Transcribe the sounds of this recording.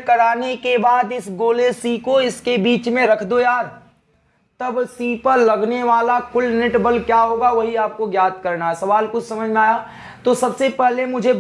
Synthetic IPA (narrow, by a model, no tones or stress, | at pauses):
kɐɾaːnekebaːd̪ɪsɡoːleːsikoɪskebiːt͡ʃmẽɾɐkʰd̪ojaːɾ | t̪ɐbsiːpəɾlɐɡneʋaːlakʊlneʈbəlkjaːɦoːɡaʋɐɦiaːp̚koɡjaːt̪kɐɾnaɦɛsɐʋaːlkʊt͡ʃʰsɐməd͡ʒʱmẽaːja | t̪oːsɐbsepɛɦlemʊd͡ʒʱe